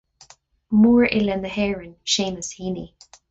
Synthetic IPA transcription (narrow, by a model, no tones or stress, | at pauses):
muːɹʔɪlɛnəhɛːɹənʃeːməshiːni